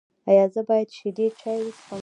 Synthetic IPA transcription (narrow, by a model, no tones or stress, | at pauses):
ajɑzəbɑjad̪ʃed̪et͡ʃɑjwəsxɑ